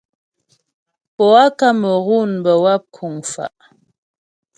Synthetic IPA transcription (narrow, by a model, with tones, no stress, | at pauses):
pɔ˨a˦ka˦mə˨ɣu˦˨nbə˨wa˦˨p̚kʰu˨ŋfa̰˨ʔ